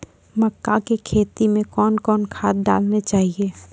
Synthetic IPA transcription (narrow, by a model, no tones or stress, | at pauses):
məkːakekʰeːt̪imẽkɔːnkɔːnkʰaːd̪̚da̰ːlnet͡ʃaːɦieː